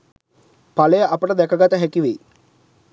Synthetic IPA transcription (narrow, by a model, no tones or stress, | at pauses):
paləjəʔapəʈəd̪ækəɡat̪əɦækiʋej